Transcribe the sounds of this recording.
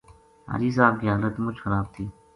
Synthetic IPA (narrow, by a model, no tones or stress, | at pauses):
ɦa̰ːɾiːsaːbkiːɦaːlət̪mʊt͡ʃxəɾaːb̚t̪ʰiː